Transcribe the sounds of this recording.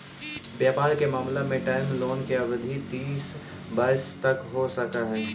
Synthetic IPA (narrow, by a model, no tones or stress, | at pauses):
bjaːpaːɾkemaːmlemẽʈaːɪmloːnkeɐʋəd̪ʱit̪iːs | bɐɪst̪ɐkɦosɐkaɦɛː